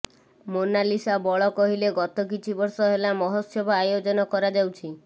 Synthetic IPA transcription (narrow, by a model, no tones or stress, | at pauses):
monalisabɔɭɔkɔɦileɡɔt̪ɔkit͡ʃʰibɔɾsɔɦelamɔɦosɔbɔajod͡ʒɔnɔkɔɾad͡ʒawt͡ʃʰi